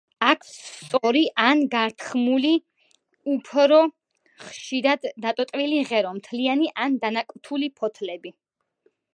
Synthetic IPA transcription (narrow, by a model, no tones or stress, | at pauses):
akʰst̪sʼɔɾiʔanɡaɾt̪ʰχmuli | upʰɾɔ | χʃiɾad̪ːat̪ʼɔt̪ʼviliʁɛɾɔmt̪ʰlianiʔand̪anakʼt̪ʰulipʰɔt̪ʰlɛbi